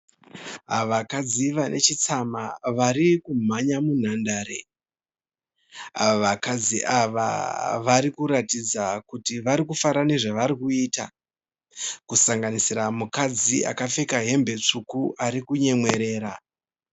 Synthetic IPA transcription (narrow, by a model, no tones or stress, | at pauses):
ɦaʋakad͡ziʋanʔe̞t͡ʃit͡samaʋaɾikum̤aɲamun̤andaːɾe̞̰ | a̰oʋakad͡ziʔaʋa̰ʋaɾikuɾatid͡zakutiʋaɾikufaɾane̞ʐaʋaɾikuiːta̰ | kusaŋɡanisiramukad͡zia̰kafe̞kaɦe̞mbe̞t͡ʂukuʔaɾikuɲe̞mwe̞ɾe̞ːɾa